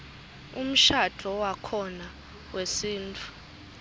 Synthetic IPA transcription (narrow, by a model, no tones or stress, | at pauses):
um̩ʃad̥ʱɔwakʰɔna | wesiːntʰʼu̥